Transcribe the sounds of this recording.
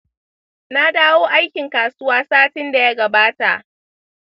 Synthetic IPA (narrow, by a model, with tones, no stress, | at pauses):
na˦daː˦woː˦ʔa˦jkʲɪ˨ŋkaː˨sʊ˦waː˦saː˦tɪ˦nda˨ja˦ɡɐ˨baː˦ta̰˨ʔ